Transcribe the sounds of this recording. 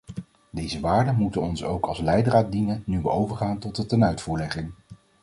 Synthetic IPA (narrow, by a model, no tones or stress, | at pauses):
dejzəʋaːɹdəmutənɔnsowkɑlˠslɛjdəraːt̚dinənːyʋəowvəɹχaːntɔt̚dətɛnœɥtfuːɹlɛχɪŋ